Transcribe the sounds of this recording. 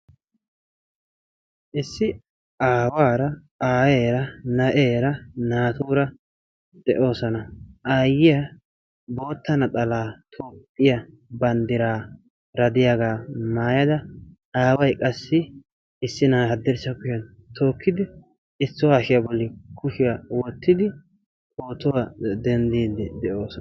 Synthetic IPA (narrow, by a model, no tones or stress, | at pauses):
ʔɪsːɪ | aːwaːɾɐ | aːjeːɾɐnɐʔeːɾɐnaːt̪uːɾɐ | d̪ɛʔo̞ːsɐnɐʔaːjɪjɐ | bo̞ːt̪ːɐnɐt̪ʼɐlaːt̪ʰoːpʼːɪjɐ | bɐnd̪ɪɾaː | ɾɐd̪ɪjaɡaːmaːjɐd̪ɐ | aːwɐjkʼɐsːɪ | ɪsːɪnaːhɐd̪ːɛɾsɐkʊʃɐn | t̪ʰoːkːɪd̪ɪ | ɪsːʊwaːʃɪjɐbɔlːɪkʊʃɪjɐwɔt̪ːɪd̪ɪ | ʔoːt̪ɔwɐd̪ɛnd̪iːd̪ɛd̪ɛʔo̞ːsɔ